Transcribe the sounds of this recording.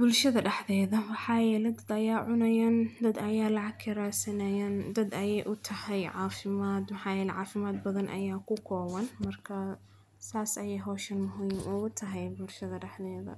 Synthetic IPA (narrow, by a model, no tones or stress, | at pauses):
bʊlʃɐðɐɖɛħðɛːðɐwɑħɑːjɛːlɛd̪ɐd̪ɐjaːʕʊnɐjaːnd̪ɐd̪ɐjaːlɑʕɑɡkʰɐɾaːsɐnɐjaːnd̪ɐd̪ɐjɛjʔʊt̪ʰɐhɛjʕɑːfɪmaːd̪mɑħɑːjɛːlɛʕaːfɪmaːd̪bɐðɐnʔɐ̰jaːkʰʊkʰɔːwɐnmɐrkʰɐ | saːsɐjɛjɦɔːʃɐnmʊɦiːmuʊt̪ʰɐɦɛjbʊlʃɐðɐɖɐħðɛːðɐ̰